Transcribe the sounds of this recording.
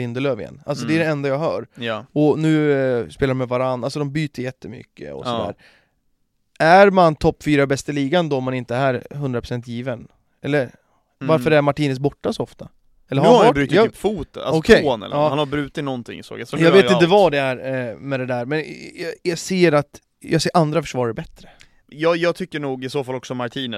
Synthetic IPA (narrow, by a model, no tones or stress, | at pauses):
ɪnd̪əløːvɪjɛ̰nːa̰ls̬ɔd̪ɛæɖɛɛnd̪ajaːɡɦœ̰ːɾjɔnʉ̟ːspeːlaɾɔmɛvaɾand̪alsɔd̪ɔmbyːt̪əɾjɛt̪ʰːəmʏ̰kːə̰ɔ̰sɔd̪æ̰ːɾ | æɾmant̪ʰɔpːfyːɾabɛst̪əliːɡand̪ɔɔmːanɪnt̪əæɾɦɵnd̪ɾapʰɾʊ̥sɛnt̪ʰjiːvən | ɛlːəɾ | vaɾfœɾæɾmaʈiːnəs̬bɔʈːasɔɔft̪a | ɛlːəɾabɾyːt̪ːpfuːt̪əa̰ɔkʰɛoːnɛ̰l̰ɑːhanhabɾʉ̟ːt̪ɪt̪nɔnt̪ʰɪ̰ŋːɪso̰ːɡasjɑːɡveːɪnt̪əvad̪ɛæɾmɛd̪ɛd̪æɾmɛnjɑɡseːɾat̪ | jɑːɡseːɾʔand̪ɾafœ̥ʂvɑːɾəɾbɛt̪ːɾə | jɑːjɑːɡ̚t̪ʰʏkːəɳuːɡɪsoːfalːɔksɔmaʈʰiːnə